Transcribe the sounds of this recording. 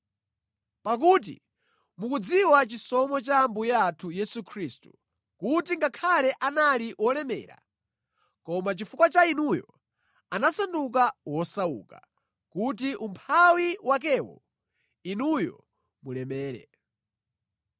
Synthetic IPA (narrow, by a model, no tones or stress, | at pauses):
pak̬uːt̬ḭ | mukud͡ziwat͡ʃisɔmɔt͡ʃambujaːtʰujɛsukʰɾistu̥ | kutiŋɡakʰalɛʔanaliwɔlɛmɛ̰ːɾa̰ | kɔmat͡ʃifukwat͡ʃainujɔ̰ | anasanduk̬awɔsaṵka̰ | kut̬iʔumpʰawiwak̬ɛwɔ̰ | inujɔ̰ | mulɛmɛːɾɛ̰